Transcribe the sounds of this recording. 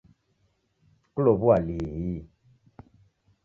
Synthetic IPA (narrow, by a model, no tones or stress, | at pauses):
kulobualiɣi